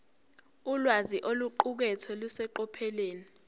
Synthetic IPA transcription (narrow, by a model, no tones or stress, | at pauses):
ulwaziʔoluǃuk̬ɛtʰɔlusɛǃɔpʰɛleːni